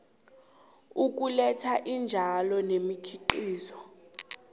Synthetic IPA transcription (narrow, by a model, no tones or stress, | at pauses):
uk̬ulɛtʰaʔind͡ʒʱalɔnemikʰiǃiːzɔ